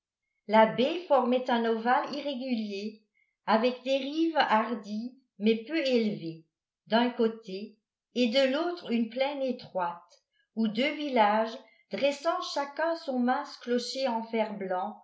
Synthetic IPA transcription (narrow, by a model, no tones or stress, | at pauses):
labefɔʁmɛt̪ɛ̃nɔvaliʁeɡʲylje | avɛkd̪eʁivaʁd̪i | mɛpøelve | d̪ɛ̃kot̪eː | d̪əlot̪χynplɛnet̪χwat̪ | ud̪øvilaʒ | d̪̥ʁɛsɑ̃ʃakɛ̃sɔ̃mɛ̃sklɔʃeɑ̃fɛʁblɑ̃